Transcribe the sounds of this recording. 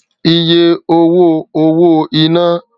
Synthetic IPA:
i˦je˦o˦wo˦˨o˦wo˦˨i˦na˦

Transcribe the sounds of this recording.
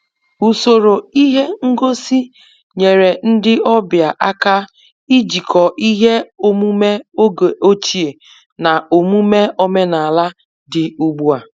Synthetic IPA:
u˨so˨ɾo˨i˦ɦe˦ŋ̩˦ɡo˦si˦ | ɲe˨ɾe˨n̩˦dɪ˦ʔɔ˦bja˨ʔa˦ka˦ | i˦d͡ʒi˨kʰɔ˨ʔi˦ɦe˦o˦mu˦me˦o˦ɡe˨o˦t͡ʃi˦e˨ | na˨ʔo˨mu˦me˦ʔo˦me˦na˨la˦ | dɪ˨u˦ɡ͡bu˦a˨

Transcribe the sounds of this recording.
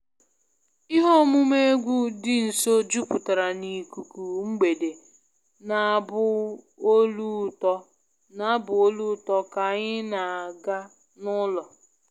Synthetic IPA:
i˦ɦo˦mu˦me˦ɡʷu˦dɪ˦n̩˨so˦d͡ʒu˦pʊ˨ta˨ɾa˨ni˨ku˨ku˨ŋ͡m̩˦ɡ͡be˨de˨ | na˨bʊ˦ | o˦lu˦tɔ˦ | na˨a˦bʊ˨o˦lu˦tɔ˦ka˨ɲɪ˦na˨a˨ɡa˦ | nʊ˦lɔ˨

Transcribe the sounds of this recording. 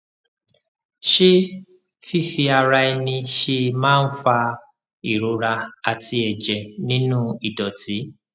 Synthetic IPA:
ʃe˦ | fi˦˨fi˧a˧ɾa˧i˧nĩ˧ʃe˧mãː˦˧n̩˦fa˧ | i˨ɾo˨˦ɾa˧a˧ti˧˦ɛ˨d͡ʒɛ˨nĩ˦nũ˦i˨dɔ˨ti˨˦

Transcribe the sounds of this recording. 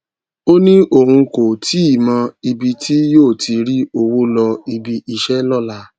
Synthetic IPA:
o˦nĩ˦ʔo˦˨hũ˧ko˨tʰi˨˦i˦˨mã˧i˧bi˧tʰi˦joː˦˨tʰi˧ɾi˦o˧wo˦lɔ˧i˧bi˧ʔi˧ʃɛ˦lɔ˦˨la˧

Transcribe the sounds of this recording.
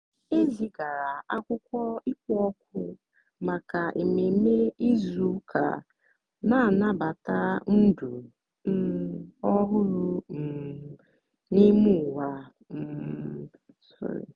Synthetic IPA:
e˦vi˨ɡa˨ɾa˨ʔa˦kʷʊ˦kʷɔ˦i˦k̚ʷɔ˦k̚ʷʰʊ˦ | ma˨ka˨ʔe˨me˨me˦i˦zu˦kʰa̰˨ | na˦˨na˦ba˨ta˦n̩˦du˨ | n̩˦ɔ˦ɦʊ˦ɾʊ˦m̩˨ | ni˦mʊ˦˨wa˨ | m̩˨ | sʊ̰˦ɾɪ̰˨

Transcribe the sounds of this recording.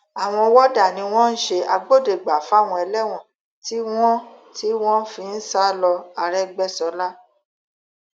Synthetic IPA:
a˨w̃ɔ̃˧wɔ˦da˦˨nĩ˧w̃ɔ̃˦n̩˦ʃe˧a˧ɡ͡bo˦˨de˨ɡ͡ba˨fw̃ɔ̃˧ɛ˧lɛ˦w̃ɔ̃˦˨ | ti˦w̃ɔ̃˦ | ti˦w̃ɔ̃˦fĩ˧n̩˦sa˦lɔ˧a˨˧ɾɛ˦ɡ͡bɛ˦˨sɔ˨˦la˦

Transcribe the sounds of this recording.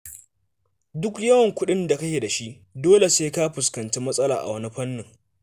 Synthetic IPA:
dʊ˦kjɐ˦wɐ˨ŋkʷʊ˦ɗɪ˦nda˨kɐ˦kʲe˨da˨ʃi˦ʔ | doː˦le˨seː˦ka˦ɸʊ˨skɐ˨nt͡ʃeː˦mɐ˦sʼɐ˦laː˨ʔa̰˨wɐ˦ni˦ɸɐ˦nːɪ˨ŋ

